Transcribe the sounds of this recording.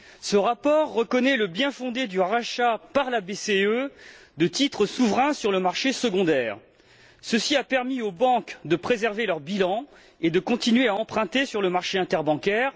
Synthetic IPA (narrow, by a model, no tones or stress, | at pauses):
səʁapɔʁːəkɔnɛləbjɛ̃fɔ̃d̪ed̪yʁaʃapaʁlabeseød̪ət̪it̪χəsuvʁɛ̃syʁləmaʁʃesəɡɔ̃d̪ɛːʁ | səsiapɛʁmiobɑ̃kd̪əpχezɛʁvelœʁbilɑ̃ | ed̪əkɔ̃t̪inɥeaɑ̃pχɛ̃t̪esyʁləmaʁʃeɛ̃t̪ɛʁbɑ̃kʲɛːʁ